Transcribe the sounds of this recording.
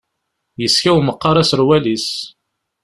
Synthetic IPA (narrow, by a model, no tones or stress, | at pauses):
jəskæwməqːɑɾˤæsəɾwælis